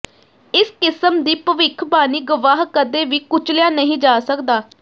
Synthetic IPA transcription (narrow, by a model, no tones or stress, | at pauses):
ɪskɪsəmd̪iːpəʋɪkʰbaːniːɡʊʋaːɦkəd̪eːʋiːkʊt͡ʃljaːnəɦĩːd͡ʒaːsəkd̪aː